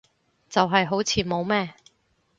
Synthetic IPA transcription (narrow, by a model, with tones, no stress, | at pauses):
t͡sɐ˨wɦɐ˨jɦo˨˥wt͡sʰiː˨˧mo˨˧wmɛː˥˩